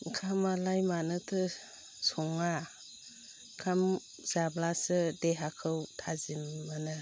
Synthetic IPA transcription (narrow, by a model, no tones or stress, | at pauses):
kʰamalajmanɯtʰɯ | sɔŋa | kʰam | zablasɯdeɦakʰɯwtʰazimːanɯ